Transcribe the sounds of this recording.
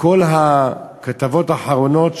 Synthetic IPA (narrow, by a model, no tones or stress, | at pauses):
ko̞lɦakat̪avo̞taħaʁono̞t